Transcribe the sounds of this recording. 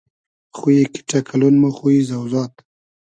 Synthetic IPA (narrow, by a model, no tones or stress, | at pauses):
xujeki̥ʈakʰalunmoxujizawzɑt̪